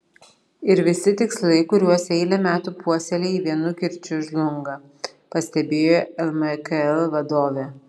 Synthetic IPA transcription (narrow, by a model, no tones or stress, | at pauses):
ɪɾʋʲɪsʲɪt̪ʲɪkslˠɐɪkʊɾʲuɔsʲɛɪlʲɛmʲæːt̪uːpuɔsʲɛlʲeːiʋʲiɛnʊkʲɪɾʲt͡ʃʲʊʒlˠʊŋɡɐ | pɐsʲt̪ʲɛbʲeːjoːɛlˠmɛkɛlˠʋɐd̪oːʋʲeː